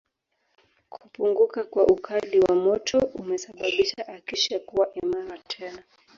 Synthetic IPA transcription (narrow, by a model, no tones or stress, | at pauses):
kʰupuŋɡukakwaʔukʰaliwamɔtʰɔumɛsaɓaɓiʃaʔakiʃakuwaʔimaɾatʰɛna